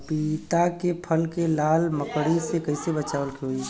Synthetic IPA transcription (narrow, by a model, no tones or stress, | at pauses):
pit̪akepʰəlkelaːlməkɽisekəɪsebət͡ʃaʋəlkʰeɦo